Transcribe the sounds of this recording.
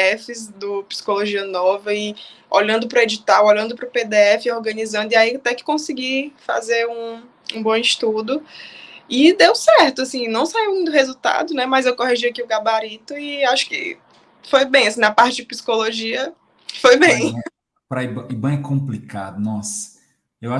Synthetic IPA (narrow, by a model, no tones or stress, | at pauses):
ɛfɪzd̪ʊpi̥si̥koloʒiɐnɔvɐi | oʎɐ̃nd̪ʊpɾʊed͡ʒit̪awoʎɐ̃nd̪ʊpɾʊped̪eɛfɪoɾɡɐ̃nizɐ̃nd̪ʊiait̪ɛ̃kɪ̥kõsiɡifa̰zeɾũ | ũbõw̃iʃt̪ud̪ʊ | id̪ewsɛɾt̪ʊasĩnɐ̃w̃saiwd̪ʊɦezut̪a̰d̪ʊnɛmɐzewkoɦiʒiakiʊɡabaɾit̪ʊiaʃʊ̥kɪ̰ | fojbẽj̃asĩnɐpaɾt͡ʃɪd͡ʒɪpi̥si̥koloʒiɐ | fojbẽj̃ | pɾɐibɐ̃ibɐ̃ɛkõmplika̰d̪ʊnɔsɐ̥ | ewa